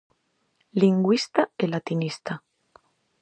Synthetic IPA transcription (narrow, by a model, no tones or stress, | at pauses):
liŋɡwist̪aelat̪inist̪a